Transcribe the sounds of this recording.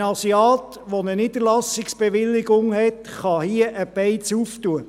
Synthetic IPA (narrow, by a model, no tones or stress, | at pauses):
ɑsiɑːt̪ | ʋɔnənid̪əɾlɑsɪksb̥eʋɪlːɪɡʊŋhɛt̪χɑhiəʔəpɛɪt͡suftuə